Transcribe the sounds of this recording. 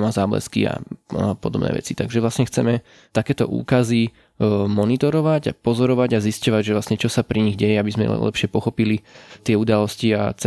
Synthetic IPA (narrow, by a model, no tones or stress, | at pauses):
mazaːblɛ̰skḭa̰pɔd̪ɔbnɛ̰ːʋɛ̰t͡sit̪aɡʒɛʋlasɲɛxt͡sɛmɛ | t̪akɛːt̪ɔ̰ʔṵːkazi | mɔnit̪ɔɾɔʋaɟa̰pɔzɔɾɔʋaɟaziscɔʋaɟʒɛvlasɲɛt͡ʃɔsapɾiɲiɣɟɛjɛabizmɛ̰lɛ̰pʃɪɛpɔxɔpilit̪ɪɛud̪alɔscia̰t͡s